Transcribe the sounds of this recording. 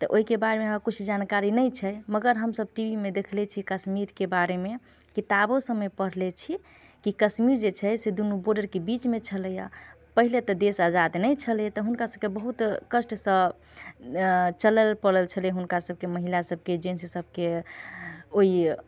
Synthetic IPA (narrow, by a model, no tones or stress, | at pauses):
t̪ɔʔoɦikebaɾemeɦãkut͡ʃʰd͡ʒankaɾinəjt͡ʃʰɛməɡəɾɦəmsəb̚ʈiʋimed̪ekʰlɛt͡ʃʰikəsmiɾkebaɾeme | kit̪abosəməjpəɽ̤lɛt͡ʃʰi | kikəsmiɾd͡ʒet͡ʃʰɛsed̪unuboɾɖəɾkebit͡ʃmet͡ʃʰəlɛja̰ | pəɦilet̪ɔd̪esad͡ʒad̪nəjt͡ʃʰəlɛt̪ɔɦunkasəb̚kebəɦut̪kəsʈsə̃ | t͡ʃələlpəɽəlt͡ʃʰəleɦunkasəb̚ʱkeməɦilasəb̚ʱked͡ʒenssəb̚ʱke | oi